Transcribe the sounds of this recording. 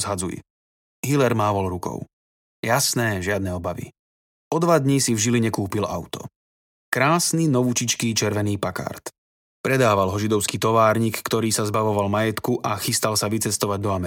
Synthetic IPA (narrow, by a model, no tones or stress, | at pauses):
zɦad͡zuj̰ | ɦilɛɾmaːʋɔlɾukɔ̰ʊ | jasnɛːʒɪad̪nɛɔbaʋḭ | ɔd̪ʋad̪ɲisivʒiliɲɛkuːpila̰ʊt̪ɔ̰ | kɾaːsninɔʋut͡ʃit͡ʃkiːt͡ʃɛɾʋɛniːpaka̰ɾt̪ | pɾɛd̪aːʋalɦɔʒid̪ɔʊskiːt̪ɔʋaːɾɲiːkːt̪ɔɾiːsazbaʋɔʋalmajɛt̪kuʔaxist̪alsaʋit͡sɛst̪ɔʋaɟd̪ɔamɛ